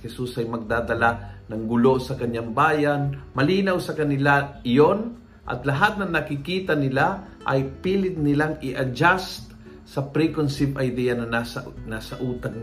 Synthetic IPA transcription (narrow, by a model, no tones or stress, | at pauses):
hɛsusɐjmɐɡ̚d̪aːd̪ɐlanɐŋɡʊlo̞sɐkɐɲːaŋbaːjanmɐliːnɐwsɐkɐnɪlaɪjon | ʔɐ̰t̪lɐɦat̪̚nɐŋnɐkɪkiːt̪ɐnɪla | ʔɐjpiːlɪt̪̚nɪlaŋɪʔɐd͡ʒast̪̚ | sɐpɾikonsɪbɐjd̪ijɐnɐanasɐʔuːt̪ɐɡ